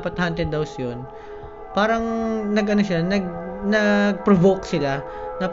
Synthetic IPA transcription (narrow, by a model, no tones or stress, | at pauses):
pɐt̪̚hant̪ɪnd̪ɐwsjon | paːɾɐŋnɐɡʔɐno̞ʃanɐɡ̚nɐɡ̚pɾovoksɪla | nɐp